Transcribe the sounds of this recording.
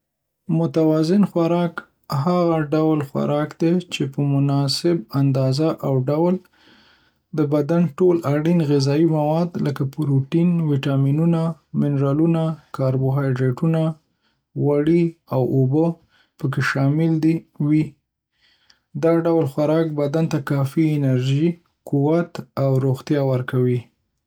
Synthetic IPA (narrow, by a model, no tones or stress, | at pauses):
mʊt̪awɑzɪnxwaɾɑk | ɦaɣaɖawlxwa̰ɾɑkd̪et͡ʃepəmʊnɑsɪb̚and̪ɑzaʔawɖawl | d̪əbad̪anʈolaɽinɣɪzɑimawɑd̪ləkapɾuʈinwiʈɑminunamɪnɾɑlunakɑɾbʊɦɑjɖɾeʈuna | waɽiawʔobə | pək̬eʃɑmɪld̪iwi | d̪ɑɖawlxaɾɑk̚bad̪ant̪akɑfiɪnaɾʒi | quwat̪awɾoɣt̪jɑwəɾkawi